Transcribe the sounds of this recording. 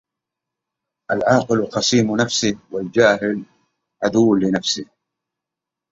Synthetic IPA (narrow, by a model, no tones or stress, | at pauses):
ʔalʕɑːqɪlqɑsˤiːmnafsɪwɪld͡ʒaːɦɪl | ʕad̪uwːlɪnafsɪ